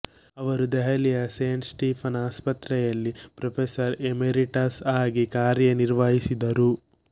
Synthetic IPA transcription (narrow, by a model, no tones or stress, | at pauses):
ɐʋɐɾud̪ɛɦɐlijɐseːɳʈsʈiːpʰɐnaːspɐt̪ɾɛjɐlːipɾɐpʰesɐɾemeɾiʈasaːɡikaːɾjɐniɾʋɐɦisid̪ɐɾu